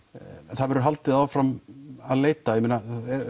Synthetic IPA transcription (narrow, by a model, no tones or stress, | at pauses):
ɛnθaðvɛɾʏɾɦalt̪ɪðawfɾamaðleːjt̪ajɛmiːnːaɛɾ